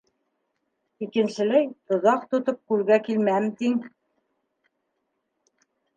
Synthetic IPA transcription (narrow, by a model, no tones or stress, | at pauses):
ikɘ̆nʃɘ̆læjt̪ŏðɑq̚t̪ŏt̪op̚kʉlɡækilmæɘmt̪iŋ